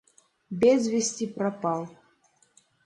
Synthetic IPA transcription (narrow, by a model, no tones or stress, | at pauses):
bʲɛzʲvʲesʲtʲipɾapalˠ